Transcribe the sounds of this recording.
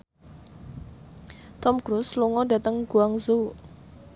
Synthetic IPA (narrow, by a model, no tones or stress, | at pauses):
t̪ɔmkɾusluŋɔɖä̤t̪əŋɡ̥uaŋzu